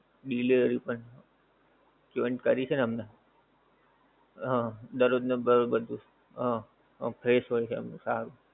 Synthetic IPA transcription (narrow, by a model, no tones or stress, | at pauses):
ɖileəɾipəɳ | t͡ʃoɪɳʈkəɾit͡ʃʰenəmne | ɦãd̪əɾod̪nebəɾobəd̪ʱũ | ɦã | pʰɾesʋəit͡ʃʰeəmnũsaɾũ